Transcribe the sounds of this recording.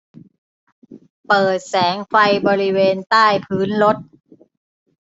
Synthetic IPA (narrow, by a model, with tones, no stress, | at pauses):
pɤː˨˩t̪̚sɛː˩˦ŋfa˧jbɔː˧ɾi˦˥weː˧nt̪aː˥˩jpʰɯː˦˥nlo˦˥t̪̚